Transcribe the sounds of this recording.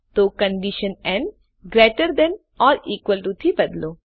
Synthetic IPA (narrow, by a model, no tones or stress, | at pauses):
t̪okə̃ɳɖiʃənɛ̃ɳɖ | ɡɾeːʈəɾd̪ɛn | ɔːɾiːkwʋəlʈut̪ʰibɐd̪loː